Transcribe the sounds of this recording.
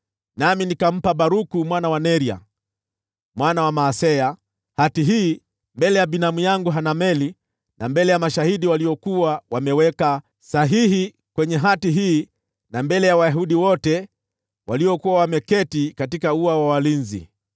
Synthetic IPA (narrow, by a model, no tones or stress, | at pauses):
naminikam̩paɓaɾukumwanawanɛɾia̰ | mwanawamaːsɛa | hatiɦiː | mbɛlɛjabinamujaŋɡuɦanamɛli | nambɛlɛjamaʃahiɗiwaliɔkuwawamɛwɛka | saɦihi | kwɛɲɛɦatiɦiː | nambɛlɛjawajaɦuɗiwɔtɛ | waliɔkuwawamɛkɛtikatikauawawalinzḭ